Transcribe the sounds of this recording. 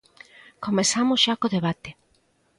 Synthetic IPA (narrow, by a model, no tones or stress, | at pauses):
komesamʊzʒ̥akoðeβat̪e